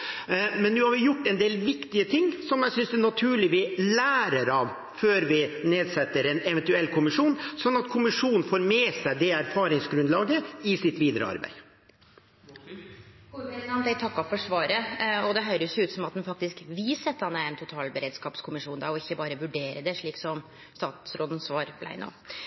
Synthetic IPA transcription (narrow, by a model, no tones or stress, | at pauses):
mɛnːʉːhɑɾʋɪjʊʈːɛnd̪eːlʋɪkt̪ɪət̪ʰɪŋːsɔmjæsʏnsd̪ɛnɑt̪ʰʉːɭɪʋɪlæːɾəɾɑʋ | føːɾʋɪneːd̪sɛt̪ːəɾɛnɛʋɛnt̪ʉɛlːkʰʊmɪʂuːnsɔnːɑt̪kʰʊmɪʂuːnn̩foːɾmɛːsæɪd̪ɛæɾfɑːɾɪŋsɡɾʉnd̪lɑːɡəɪsɪt̪ʋiːd̪əɾə̰ɑ̰ɾbæ̰ɪ | uɛɾnɑnd̪æɪt̪ʰɑkːɑfɔʂʋɑːɾəɔd̪ɛɦœʏɾəsjʊʉːt̪sɔmɑt̪d̪ɛnfɑk̚t̪ɪskʋiːsɛt̪ːɑnæɾɛnt̪ʰʊt̪ʰɑːlbəɾeːd̪skɑːpskʰʊmɪʂuːnd̪æ̰ɾɔɪçːəbɑːɾəʋʉɖeːɾəd̪ɛʂɭiːksɔm | st̪ɑːt̪sɾoːd̪ən̩sʋɑːɾb̥læ̰ɪno̰ː